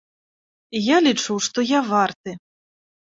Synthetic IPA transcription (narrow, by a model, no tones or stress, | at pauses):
jalʲit͡ʂuwʂt̪ɔjavart̪ɨ